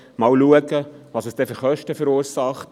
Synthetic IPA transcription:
mɑwluəɡəʋɑːsəsd̥ɛfyɾχœʃtəfəɾuːɾsɑχt

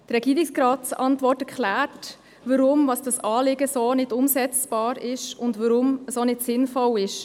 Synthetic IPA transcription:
d̥əɾɛɡ̥iːɾɪksɾɑːtt͡sɑ̰ntʋɔrtɛɾklæːrt | ʋəɾʊmvɑsd̥ɑsɑːlɪɡəsoːnɪdʊmsɛt͡sb̥ɑːɾɪʃʊndʋəɾʊmsonɪtsɪnfɔlɪʃ

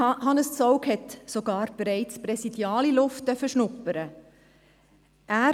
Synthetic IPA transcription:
hɑnəst͡sɔʊkhɛtsoɡɑːɾb̥ɾɛɪt͡spɾɛsid̥jɑːlilʊft̚dœfəʃnʊpːəɾə | ʔæː

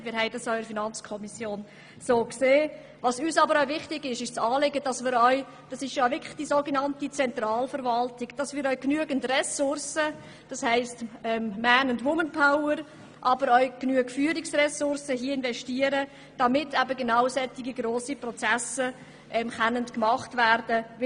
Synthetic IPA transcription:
mɪːɾɦɛɪdɑsœʏəfinɑnt͡skʰɔmisjoːn | soːkseː | vɑsyːsɑbəɾœʊvɪχtɪɡɪʃɪʃt͡sɑːlɪɡəd̥ɑsmɪːɾœʏ | d̥ɑsɪʃjoəvɪkʰɪ̥χd̥isoːɡenɑntit͡sɛntrɑːlfəɾvɑltɪɡ̥d̥ɑsmɪːɾœʏknyəɡəntrɛsʊɾsə | d̥ɑshæɪstɛmmæːnʊndʋʊmənpʰaʊəɾ | ʔɑbəɾœʏknyəɡ̥fyːəɾɪksrɛsʊɾsəɦiəɪnvɛʃtiːəɾə | d̥ɑmɪtʰɛbəɡenaʊsɛtiɡiɡroːsiprɔt͡sæsə | ʔɛmkanəntkmɑχtvæɾd̥ə

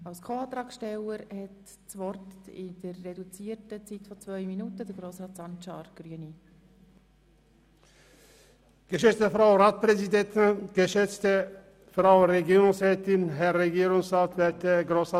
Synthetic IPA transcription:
ɑʊskʰoːɑːt̪ɾɑːksʃtɛləɾhɛt | t͡svɔrtɪd̥ərːedut͡siːtət͡sitfɔt͡svœʏminutədəɾɡɾoːsɾaːtsɑnt͡ʃɑːɾɡ̥ɾyəni | ɡ̥əʃɛt͡stəfʁaʊɾaːt̚pɾɛzidɛt̪nɡ̥əʃɛt͡stə | fɾaʊɾɛɡoːɾʊŋsʁɛːtɪnɦɛʁːɛɡiːɾʊŋsʁaːt̪vɛtəɡɾoːsɑ

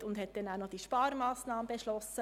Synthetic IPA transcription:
tʊndɦɛt̚d̥ɛnaʊnɔd̥iʃpɑːɾmɑːsnɑːməbɛʃlɔsə

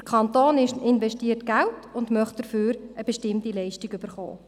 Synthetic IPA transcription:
dəkʰɑntoːnɪʃɪnvɛʃtiːərtɡ̥altʊndmœχt̚d̥əɾfyːɾəb̥eʃtɪmtilɛɪʃtikyb̥əɾχo̰ː

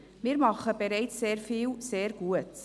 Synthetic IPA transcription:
miːɾmɑχəbeɾɛɪt͡sseːrfiːlseːrɡuət

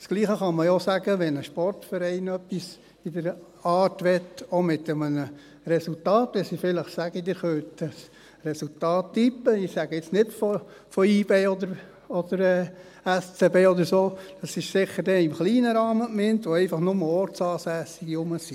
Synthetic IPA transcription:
sɡ̥liːχəχɑməjosæɡəʋɛnəʃpɔrtfəɾɛɪnœpːis | idəɾ | ɑːtʋɛtomɪt̪əmənə | rɛsultɑːtʋɛsifɪləχsæɡ̥əd̥̪ɪɾχœːtəs | rɛsultɑːtːipːəɪsæɡ̥əɪt͡snɪtfɔfɔiːb̥eːɔd̪əɾ | ɔd̥əɾɛː | æst͡sebeːɔd̪əɾsoːd̥ɑsɪʃsɪχːəɾdɛɪmχliːnəɾɑːməmɪntʋoɛɪfɑχnʊməɔɾtsɑːsæːsiɡiʊməsi

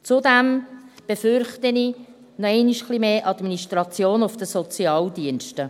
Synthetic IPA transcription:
t͡sʊdæmb̥efʏrχtəni | nɔɛɪniʃχlimeːʔɑdminiʃtɾɑt͡sjoːnʊfd̥əsɔt͡siɑːldiənʃtə

